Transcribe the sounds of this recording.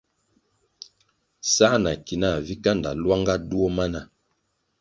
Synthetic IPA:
sa˦na˨ki˨na˦˨vi˦ka˦nda̰˨lwa˦ŋɡa˦du˦o˦ma˦na˦˨

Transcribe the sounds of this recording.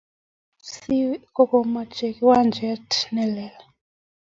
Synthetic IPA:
si˦kɔ˨kɔ˨ma˨t͡ʃɛ˨ki˦wa˦nd͡ʒɛ˦tnɛ˦lɛ˨la˨

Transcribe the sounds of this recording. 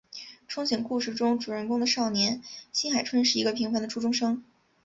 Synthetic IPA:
ʈ͡ʂʰʊ˥ŋɕjɛ˨˩ŋku˥˧ʂɻ̩˥˩ʈ͡ʂʊ˥ŋʈ͡ʂu˨˩ɻə˧˥nkʊ˥ŋd̪ə˨ʂɑ˥˩ʊnjɛ˧˥nɕi˥nxa˨˩ɪʈ͡ʂʰwə˥nʂɻ̩˥˩i˧˥ɡə˧pʰi˧˥ŋfwa˧˥nd̪ə˨ʈ͡ʂʰu˥ʈ͡ʂʊ˥ŋʂɤ˥ŋ

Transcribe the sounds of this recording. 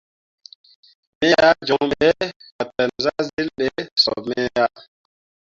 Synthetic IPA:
mɛ˦ja˦d͡ʒɔ˨ŋɓɛ˦ka˨tːa˨nzazi˦lɗɛsɔ̰˨mɛː˦ja˦

